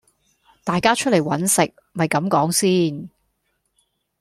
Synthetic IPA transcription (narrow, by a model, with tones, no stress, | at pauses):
t̪aː˨jkaː˥t͡ʃʰɵ˥t̚ljwɐ˨˥nsɪ˨k̚ | mɐ˨jkɐ˨˥mkɔː˨˥ŋsiː˥n